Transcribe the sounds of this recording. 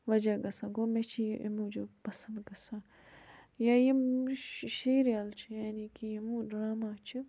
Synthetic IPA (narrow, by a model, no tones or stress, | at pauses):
ʋɐd͡ʒaɡɐsãɡoːmet͡ʃʰiʔḛmũd͡ʒopɐsɐ̃nd̪ɡɐsã | jajemʃiːɾjalt͡ʃʰijaːnikijemũɖɾaːmaːt͡ʃʰi